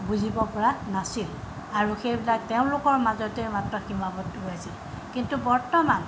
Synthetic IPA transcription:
buzʱibɔpɔɹanasil | aɹuxejbilak̚teʊ̃lʊkɔɹmazɔteɹmatɹɔximabɔtːuɦjasil | kintubɔɹtɔman

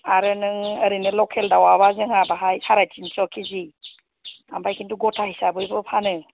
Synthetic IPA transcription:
aɾɯnɯŋəɾinɯlɔkʰeldawaβazɯŋabaɦajsaɾajtʰinsɔkʰizi | ambajkʰintuɡɔtʰahisabɯjbɯpʰanɯ

